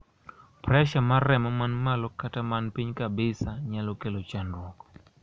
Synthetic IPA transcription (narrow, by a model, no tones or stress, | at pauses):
pɾɛʃamarɛmamanmalɔkatamanpiɲkabɪsaɲalɔkelot͡ʃanɾwɔk